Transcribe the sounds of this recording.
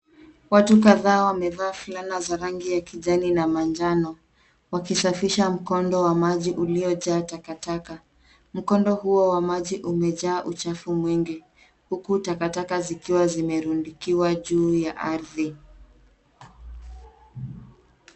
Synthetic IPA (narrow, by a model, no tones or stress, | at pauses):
watuk̬aðaːwamɛvaːfulanazaɾaŋɡijakiʄaninamand͡ʒanɔ | wakisafiʃam̩kɔndɔwamaʄiʔuliɔʄaːtakataka | m̩kɔndɔhuɔwamaʄiʔumɛʄaːʔut͡ʃafumwɛŋɡi | hukutakatakazikiwazimɛɾundikiwaʄuːjaʔaɾði